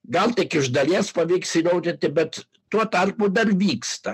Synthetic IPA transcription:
ɡɐlˠt̪ʲɐɪkɪʒd̪ɐlʲiɛspɐʋʲiːksinɐʊd̪ʲɪnt̪ʲɪbʲɛt̪ | tːuɔt̪ɐrpʊd̪ɐrʋʲiːkst̪ɐ

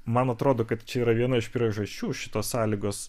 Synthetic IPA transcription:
mɐnɐt̪ɾoːd̪oːkɐt̪t͡ʃʲɛiːɾɐʋʲiɛnɐɪʃpʲɾʲiɛʒɐʃʲt͡ʃʲuːʃʲɪ̥t̪oːssɑːlʲiːɡoːs

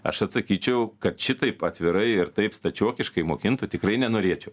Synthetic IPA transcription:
ɐ̰ʃɐt̪sɐkʲiːt͡ʃʲɛʊkɐt̪ʃʲɪt̪ɐɪpɐt̪ʲʋʲɪɾɐɪɪɾt̪ɐɪpst̪ɐt͡ʃʲuɔkʲɪʃkɐɪmoːkʲɪnt̪ʊt̪ʲɪkrɐɪnʲɛnoːɾʲiɛt͡ʃʲɛʊ

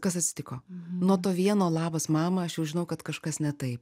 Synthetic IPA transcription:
kɐsɐtʲsʲɪ̥t̪ʲɪkoːnuɔt̪oːʋʲiɛnoːlˠɑːbɐsmɑːmɐɐʃjɛʊʒʲɪnɐʊkɐt̪kɐʃkɐsnʲɛt̪ɐɪp

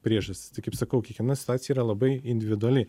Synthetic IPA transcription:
pʲɾʲiɛʒɐsʲt̪ʲɪ̥st̪ɐɪkɐɪpsɐkɐʊkʲiɛkʋʲɛnɐsʲɪ̥t̪ʊaːsʲjɛiːɾɐlˠɐbɐɪɪnʲd̪ʲɪʋʲɪd̪ʊɐlʲɪ

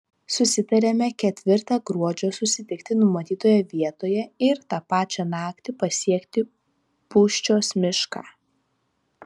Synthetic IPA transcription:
sʊsʲɪt̪ɐɾʲemʲɛkʲɛt̪ʲʋʲɪɾt̪ɑːɡɾuɔd͡ʒʲoːsʊsʲɪt̪ʲɪkt̪ʲɪnʊmɐt̪ʲiːt̪oːjɛʋʲiɛt̪oːjɛɪɾt̪ɑːpɑːt͡ʃʲɛnɑːkt̪ʲɪpɐsʲiɛkt̪ʲɪ | puːʃʲt͡ʃʲoːsmʲɪʃkɑ̰ː

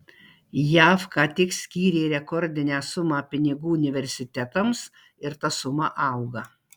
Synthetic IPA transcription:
jæːfkɑːt̪ʲɪksʲkʲiːɾʲeːɾʲɛkɔɾʲd̪ʲɪnʲæːsʊmɑːpʲɪnʲɪɡuːʊnʲɪʋʲɛɾʲsʲɪt̪ʲɛt̪ɐms | ɪɾt̪ɐsʊmɐʔɐˑʊɡɐ

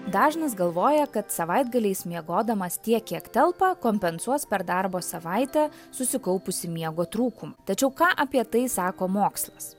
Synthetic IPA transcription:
d̪ɑːʒnɐs̬ɡɐlˠʋoːjɛkɐt̪sɐʋɐɪd̪ɡɐlʲɛɪsmʲiɛɡoːd̪ɐmɐst̪ʲiɛkʲːiɛkt̪ʲɛlˠpɐkoːmʲpʲɛnsuɔspʲɛɾd̪ɐɾboːsɐʋɐɪt̪ʲɛ | sʊsʲɪkɐʊpʊsʲɪmʲiɛɡoːt̪ɾuːkʊmɐt̪ɐt͡ʃʲɛʊkɑːʔɐpʲiɛt̪ɐɪsɑːkoːmoːkslˠɐs

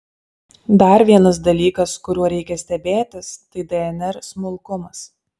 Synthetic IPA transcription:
d̪ɐɾʋʲiɛnɐsd̪ɐlʲiːkɐskʊɾʲuɔɾʲɛɪkʲɛsʲt̪ʲɛbʲeːt̪ʲɪst̪ɐɪd̪ʲɛɛnʲɛɾsmʊlˠkʊmɐs

